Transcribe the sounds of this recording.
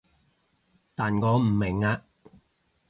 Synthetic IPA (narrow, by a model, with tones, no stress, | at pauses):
t̪aː˨nkɔː˨˧m̩˨˩mɪ˨˩ŋaː˧